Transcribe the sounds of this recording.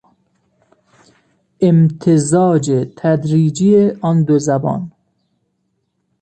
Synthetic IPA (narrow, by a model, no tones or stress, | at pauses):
emt̪ʰezɒːd͡ʒet̪ʰæd̪ɾiːd͡ʒijeʔɒːnd̪ozæbɒ̰ːn